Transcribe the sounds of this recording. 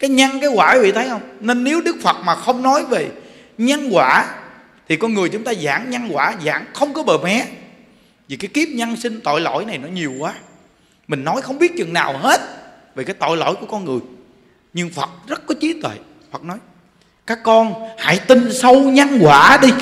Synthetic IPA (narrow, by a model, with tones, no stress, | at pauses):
kaː˨˦jɲa˧ŋkaː˨˦jwaː˧˩a˨˦vḭ˧˨t̪ʰə˨˦jhə˧wŋ͡mne˧nːe˨˦wɗɨ˦˥k̚fə˨˩t̚maː˨˩xə˧wŋ͡mnɔ˨˦jve˨˩ | ɲa˧nɣwaː˧˩˨ | t̪ʰi˨˩kɔ˧nŋɨ˨˩əjt͡ɕʊ˨˦ŋ͡mt̪aː˧za̰ː˧˩ŋɲa˧nɣwaː˧˩za̰ː˧˩ŋxə˧wŋ͡mkɔ˨˦ɓəː˨˩mɛ˨˦ | vi˨˩kaː˨˦jki˦˥əp̚ɲa˧nsï˧ŋ̟t̪o̰˧˨jlo̰˧˥˨jna˨˩jnɔ˨˦ɲi˨˩əwkwaː˨˦ | mï˨˩ŋ̟nɔ˨˦jxə˧wŋ͡mɓi˦˥ət̚t͡ɕɨ˨˩ŋna̰ː˨˩whe˦˥t̚ve˨˩kaː˨˦jt̪ɔ̰˧˨jlo̰˧˥˨jku˧˩kɔ˧nŋɨ˨˩əj | ɲɨ˧ŋfə˨˩t̚zə˦˥t̚kɔ˨˦t͡ɕi˨˦t̪wḛ˧˨ | fə˨˩t̚nɔ˨˦j | kaː˦˥kːɔ˧nha̰ː˧˥jt̪ï˧˩nsə˧wɲa˧nɣwaː˧˩ɗi˧